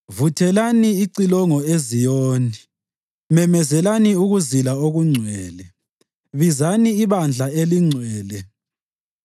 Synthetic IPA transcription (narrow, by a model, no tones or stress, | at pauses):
vutʰɛlaniiǀilɔŋɔezijoːni | mɛmɛzɛlaniuɣuzilaoɣuŋ͡ǀʱwɛːlɛ | βizaniːβand͡ɮʱaeliŋ͡ǀʱwɛːlɛ